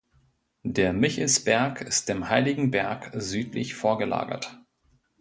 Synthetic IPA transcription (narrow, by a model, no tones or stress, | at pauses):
d̥eːɐmɪçəsb̥ɛɐkɪst̚d̥eːmhaɪlɪɡŋ̩bɛɐkzyːtlɪ̰çfoːɐɡəla̰ːɡɐ̰t